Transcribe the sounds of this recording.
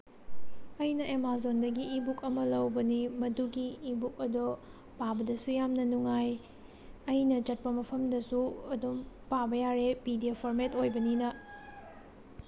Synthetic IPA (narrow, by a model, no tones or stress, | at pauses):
ɐjnɐʔemazondɐɡiːbukɐmɐlɐwbɐnimɐduɡiːbuk̚ɐdo | pabɐdɐsujamnɐnuŋaj | ɐjnɐt͡ʃɐt̚pɐmɐpʰɐmdɐsuɐdum | pabɐjaɾepidiepʰoɾmetojbɐninɐ